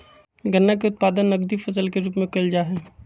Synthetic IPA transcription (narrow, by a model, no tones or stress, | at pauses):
ɡʱɐnːak̬eʊt̪̚paːd̪ənːɐɡd̪ifɐs̬əlkeɾuːpmẽkɐld͡ʒaːɦɛː